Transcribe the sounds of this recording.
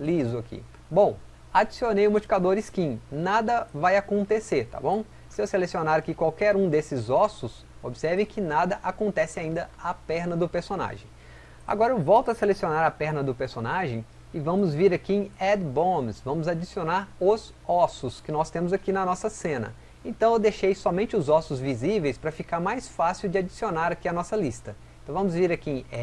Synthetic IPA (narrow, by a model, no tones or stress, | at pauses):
lizʊakḭ | bõw̃ | ad͡ʒisionejʊmot͡ʃi̥kad̪oɾɪskĩnad̪ɐvajakõnt̪eseɾt̪a̰bõw̃ | sɪewselesionaɾakikwawkɛɾũd̪esɪzɔsʊs | obɪsɛɾvẽj̃kɪnad̪ɐʔakõnt̪ɛsɪaĩnd̪ɐapɛɾnɐd̪ʊpeɾsona̰ʒḛ̃j̃ | a̰ɡɔɾɐewvɔwt̪ʊɐselesionaɾɐpɛɾnɐd̪ʊpeɾsonaʒẽj̃ | ɪvɐ̃mʊzviɾakiẽɛd̪bõmsvɐ̃mʊzad͡ʒisionaɾʊz | ɔsʊskɪnɔst̪ẽmʊzakinɐnɔsɐsẽnɐ̰ | ẽt̪ɐ̃w̃ewd̪ejʃejsɔmẽnt͡ʃɪʊzɔsʊzvizivejspɾɐfikaɾmajsfasiwd͡ʒɪad͡ʒisionaɾakiɐnɔsɐlist̪ɐẽt̪ɐ̃w̃vɐ̃mʊzviɾakiẽɛ